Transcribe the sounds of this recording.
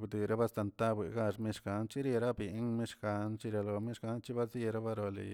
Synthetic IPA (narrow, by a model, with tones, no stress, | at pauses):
bd̪ɨ˨ɾa˦ba˦st̪a˧˨nt̪a˦bḭ˨ɡa˧ʂmi˦ʃɡa˧˦nt͡ʃi˦ɾi˧ɾa˦bi˨˦ŋmi˦ʂɡa˨˦nt͡ʃi˦ɾʲja˧lo˧mi˦ʃɡa˦nt͡ʃi˦ba˦zi˧ɾa˦ba˦ɾo˧lḭ˨